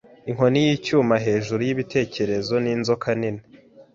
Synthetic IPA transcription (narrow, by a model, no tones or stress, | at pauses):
iŋɦo̞nijiːcuːmaɦe̞ːʒuɾujiβite̞ːce̞ɾe̞zo̞ninzo̞kʰanine